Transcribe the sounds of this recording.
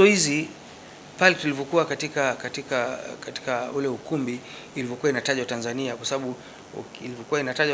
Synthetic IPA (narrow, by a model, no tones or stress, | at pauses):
ɔhizi | palɛtulivɔkuakatikakatikakati̥kaulɛukumbiː | livɔkuwainataʄawtanzaniakwasaɓaɓṵ | ilivɔkuwainataʄa